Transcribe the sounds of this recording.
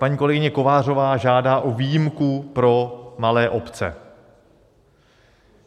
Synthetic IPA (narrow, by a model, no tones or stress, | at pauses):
paɲiːko̞lɛɡɪɲɛko̞vaːr̝o̞vaːʒaːdaːʔoviːjɪmkupɾo̞malɛːʔo̞pt͡sɛ̰